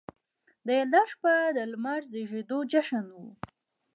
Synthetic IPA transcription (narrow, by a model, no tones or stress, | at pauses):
d̪əjald̪aʃpad̪əlmaɾzəʒed̪od͡ʒaʃənwu